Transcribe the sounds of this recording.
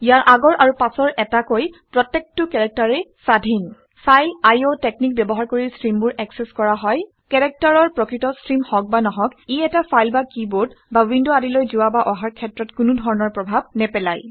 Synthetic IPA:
ijaɹʔaɡɔɹʔaɹupasɔɹʔɛtakojpɹɔtːek̚tːʊkɛɹɛk̚taɹɛsadʱin | sajajotek̚nik̚bɛbɔɦaɹkoɹisɹimbʊɹʔɛksɛskɔɹaɦɔj | kɛɹɛk̚taɹɔɹpɹɔkɹitɔsɹimhɔk̚banɔɦɔkiɛtafajlbakiboɹdbawindʊadilojzʊwabaʔɔɦaɹkʰɛtɹɔtkʊnʊdʱɔɹɔnɔɹpɹɔbʱab̚nɛpɛlaj

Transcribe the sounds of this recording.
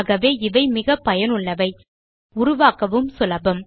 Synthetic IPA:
ɣɐʋeːɪʋɐɪmɪɣɐpːɐjɐnʊɭːɐʋɐɪ | ʊɾʊʋaːkɐʋɯmsʊlɐbɐm

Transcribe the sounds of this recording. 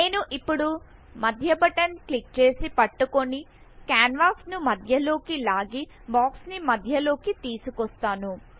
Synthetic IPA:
nne̞ːnuʔipːuɽu | mɐd̪ʱjɐbɐʈɐnklik̚t͡ʃe̞ːsipɐʈːuko̞ni | kaːnʋaːksnumɐd̪ʱjɐlo̞ːkilaːɡi | baːksnimɐd̪ʱjɐlo̞ːkit̪iːsukɔst̪aːnu

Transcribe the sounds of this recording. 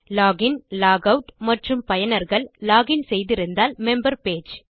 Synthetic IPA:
laːɣɪnlaːɡɐʊʈmɐʈrɯmpɐjɐnɐɾɣɐɭlaːɣɪnsɛjðɪɾɯnd̪aːlmɛmbɐɾpeːd͡ʒ

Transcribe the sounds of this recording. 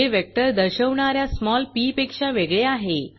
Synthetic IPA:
eʋɛk̚ʈəɾd̪əɾɕəʋɳaɾjasmɔlpipekɕaʋeɡɭeaɦe

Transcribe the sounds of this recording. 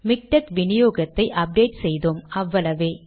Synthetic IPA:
mɪk̚ʈɐkʋɪnɪjoːɣɐt̪ːɐɪʔɐp̚ɖeːʈsɛjðoːmɐʋːɐlɐʋeː

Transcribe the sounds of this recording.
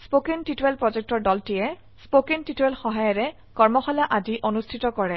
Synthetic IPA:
spokentituwɛlpɹɔzɛk̚tɔɹdɔltijɛ | spokentituɛlxɔɦajɔɹɛ | kɔɹmɔxɔlaʔadiʔonustʰitɔkɔɹɛ

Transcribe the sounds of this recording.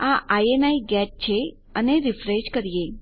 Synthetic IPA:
aʔajenaiɡɛʈ̚t͡ʃʰe | əneɾifɾeʃkəɾije

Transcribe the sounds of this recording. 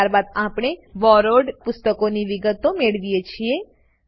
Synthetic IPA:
aɾbad̪apɽ̃eʋɔɾoɖpʊst̪əkoniʋɪɡət̪omeɭʋijet͡ʃʰie

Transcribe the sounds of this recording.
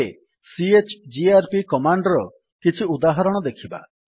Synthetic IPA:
e | siet͡ʃd͡ʒiaɾpikɔmaɳɖɔɾɔ | kit͡ʃʰiud̪aɦɔɾɔɽ̃ɔd̪ekʰiba̰

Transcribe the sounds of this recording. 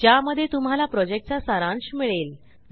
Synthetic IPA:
d͡ʑjaməd̪ʱːjet̪um̤alapɾɔd͡ʑek̚ʈ̚t͡ɕasaɾãɳɕmiɭel

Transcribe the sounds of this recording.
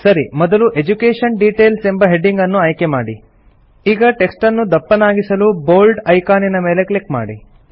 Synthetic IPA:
sɐɾimɔd̪ɐluʔe̞d͡ʒukeːʂɐɳɖiːʈe̞ːlse̞mbɐɦe̞ɖiŋɡɐnːuɐjkemaːɽi | iːɡɐʈe̞ksʈɐnːud̪ɐpːɐnaːɡisɐluboːlɖɐjkaːninɐmeːle̞klikma̰ːɽi

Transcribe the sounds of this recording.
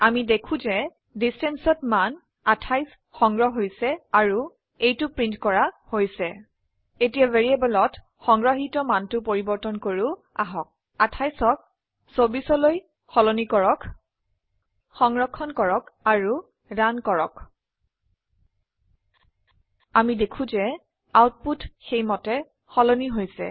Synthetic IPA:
amidekʰũzɛ | distɛnsɔtman | atʰajs | xɔŋɡɹɔɦɦojsɛaɹu | ejtʊpɹintkɔɹahojsɛ | etijaveɹiabɔlɔt | xɔŋɡɹɔɦitɔmantʊpoɹibɔɹtɔnkoɹu | aɦɔk̚ | atʰajsɔk̚ | sobisɔloj | xɔlonikɔɹɔk | xɔŋɹɔkʰːɔnkɔɹɔkaɹu | dankɔɹɔ̰k | amidekʰũzɛ | awt̚putxejmɔtɛ | xɔloniɦojsɛ̰

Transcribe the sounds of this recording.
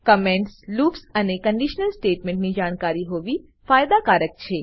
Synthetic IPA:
kəmẽɳʈsluːpsənekəɳɖiʃnəlsʈeːʈmẽɳʈnid͡ʒaːɽ̃kaːɾiɦoːʋi | faːjd̪akaːɾək̚t͡ʃʰeː

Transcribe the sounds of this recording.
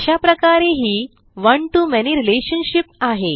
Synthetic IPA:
ɕapɾəkaɾeɦiː | ʋəɳʈumɛniɾileɕənɕipaɦe

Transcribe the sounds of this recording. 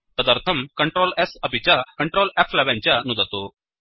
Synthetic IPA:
t̪əd̪əɾt̪ʰəmkəɳʈɾolɛsəpit͡ɕakəɳʈɾolæpʰlɛʋãɲt͡ɕjanud̪at̪o

